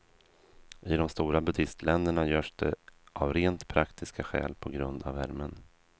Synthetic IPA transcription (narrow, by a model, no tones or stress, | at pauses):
ʔɪd̪ɔmst̪uːɾabɵd̪ɪst̪lɛnd̪əɳajœːʂd̪ɛʔavɾeːnt̪pʰɾakt̪ʰɪskaɧɛ̰ːlpʰɔɡɾɵnd̪avæɾmən